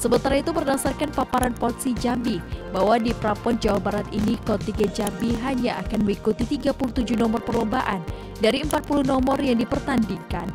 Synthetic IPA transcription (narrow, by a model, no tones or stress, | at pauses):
səmənt̪aɾait̪umərdasarkanpapaɾanpɔt̪sid͡ʒambibaɦwadipɾapɔnd͡ʒawabaɾat̪inikɔt̪iɡad͡ʒambiɦaɲaʔakanməŋikut̪it̪iɡapuluht̪ud͡ʒunɔmɔrpərlɔmbaʔa̰n | daɾiəmpat̪̚puluhnɔmɔrjaŋdipərt̪andiŋkan